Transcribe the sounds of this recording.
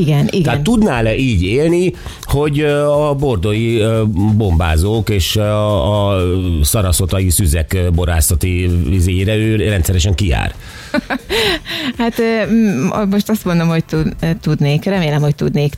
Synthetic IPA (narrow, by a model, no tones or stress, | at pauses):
iɡɛniɡ̪ɛat̪ːud̪naːlɛʔiːɟeːlni | ho̞ɟɒbo̞rd̪o̞jibo̞mba̰ːzoːkeːʃɒ | sɒɾɒso̞t̪ɒjisyzɛkbo̞ɾa̰ːsɒt̪iizeːjeːɾɛøːrɛnt̪sɛɾɛʃɛŋkia̰ːr | hat̪ː | mo̞ʃt̪ɒst̪mo̞nd̪o̞mho̞ct̪ut̪ud̪neːkrɛmeːlɛmhoc̚t̪ud̪neːk